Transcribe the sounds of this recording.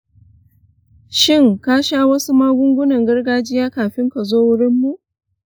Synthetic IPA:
ʃɪ˦˨ŋkaː˦ʃaː˦wɐ˦su˦maː˦ɡʷʊ˦ŋɡʷʊ˦nɐ˨ŋɡɐ˦rɡaː˦d͡ʒɪ˦jaː˦kaː˨ɸɪ˦ŋka˨zoː˦wʊ˦ɽɪ˦mːu˦ʔ

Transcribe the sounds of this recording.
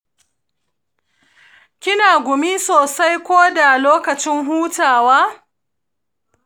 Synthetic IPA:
kʲɪ˦naː˨ɡʷʊ˨mi˦soː˨sa˦jkʷoː˦da˨loː˦kɐ˨t͡ʃɪ˦ŋɦuː˦taː˨waː˦

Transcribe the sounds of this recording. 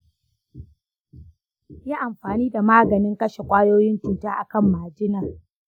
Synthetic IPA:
jaː˦ʔa˨mɸaː˨niː˦da˨maː˦ɡɐ˨nɪ˦ŋkɐ˦ʃe˨kʷʼaː˦joː˦jɪ˦ntʊ˨ntaː˦ʔa̰˨kɐ˦˨mːaː˨d͡ʒɪ˦naː˨

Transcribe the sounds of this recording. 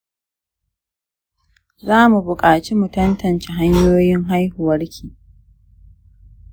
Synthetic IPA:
zaː˦mu˨bʊ˨kʼaː˨t͡ʃi˦mu˨tɐ˦ntɐ˨nt͡ʃe˨ɦa˦ɲjoː˦jɪ˦ŋɦa˦jhʊ˨wɐ˦ɽkʲʰiː˨

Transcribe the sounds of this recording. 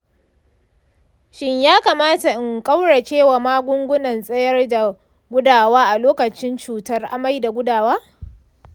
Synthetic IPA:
ʃɪ˦ɲjaː˦kaː˨maː˦ta˨ʔɪ˨ŋkʼa˦wɽa˨t͡ʃeː˦wa˨maː˦ɡʷʊ˦ŋɡʷʊ˦nɐ˨nsʼɐ˦jɐ˦rda˨ | ɡʷʊ˦daː˨waː˦ʔa˨loː˦kɐ˨t͡ʃɪ˦nt͡ʃuː˨tɐ˦rʔa̰˦ma˦jda˨ɡʷʊ˦daː˨waː˦

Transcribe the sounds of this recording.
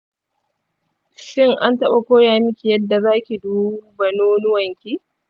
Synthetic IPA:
ʃɪ˦ŋʔa˦ntɐ˦ɓa˨kʷoː˦jaː˨mɪ˦kʲi˨jɐ˦dːa˨zaː˦kʲi˨duː˦bɐ˨noː˦nʊ˦wɐ˨ŋkʲiː˦

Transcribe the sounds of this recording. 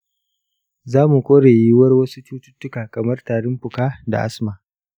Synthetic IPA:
zaː˦mu˨kʷoː˦ɽeː˨ji˦wɐ˦rwɐ˦su˦t͡ʃuː˦tʊ˦tːʊ˦kaː˨kɐ˨mɐ˦rtaː˨ɽɪ˦mɸʊ˨kaː˦da̰˨ʔa̰˦smaː˨

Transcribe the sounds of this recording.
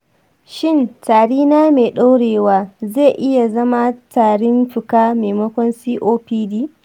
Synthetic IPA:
ʃɪ˦˨ntaː˨ɽiː˦naː˦meː˨ɗa˦wɽeː˨waː˦zeː˦˨ʔɪ˦ja˨zɐ˦ma˦taː˨ɽɪ˦mɸɪ˨kaː˦meː˨mɐ˦kʷɔ˦nsiː˦ʔoː˦piː˦diː˦

